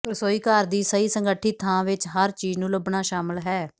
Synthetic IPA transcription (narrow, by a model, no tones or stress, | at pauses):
pɾəsoːiːkaːɾd̪iːsəiːsəŋɡəʈʰːiːt̪ʰãːʋɪt͡ʃɦəɾt͡ʃiːd͡ʒnũːləbɳaːʃaːməlɦɛː